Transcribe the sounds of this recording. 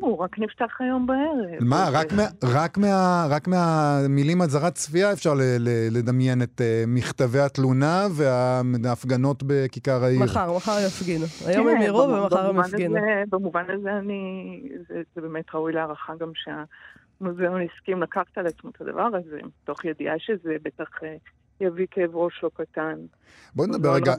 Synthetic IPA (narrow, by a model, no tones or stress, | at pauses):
uʁaknift̪aχajo̞mbaeʁemaʁameaʁakmeaʁakmeamilimazaʁatt͡sfiaefʃaʁlelele̞damje̞ne̞temiχtaveat̪lunave̞aːfɡano̞tbe̞kikaʁaiaχaʁmaχaʁjafɡinua̰jomemiʁuvemaaʁemanɡinebemuvanazeanizezebemetʁaujleaːʁaχaɡamʃea | mozeoniskimlakaχtalat͡smotʰad̪a̰vaʁazmto̞χjediaʃezebetaχe | javikeːvʁo̞ʃlokatan | bo̞nedabeʁeɡa